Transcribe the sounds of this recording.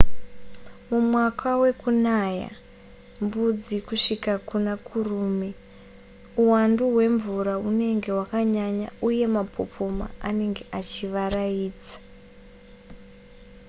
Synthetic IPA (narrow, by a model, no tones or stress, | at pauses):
mumwakʰawe̞kunaja̰ | mbud͡zikuʂikakunakʰuruːme | uwanduɦwe̞ɱvuɾaune̞ŋɡe̞ɦwakaɲaɲauje̞mapʰo̞̰pʰo̞ma̰ane̞ŋɡe̞ʔat͡ʃiʋarajiːd͡zḁ